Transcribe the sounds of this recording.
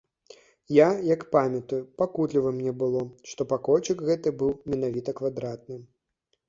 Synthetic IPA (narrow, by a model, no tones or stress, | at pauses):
jajɐkpamʲɐt̪ujupakut̪lʲivɐmnʲɛbɨlˠɔʂt̪ɔpakɔlʲt͡ʃɨkɣɛt̪ɨbɨwmʲɛn̪avʲit̪ɐkvad̪ɾat̪̚nɨ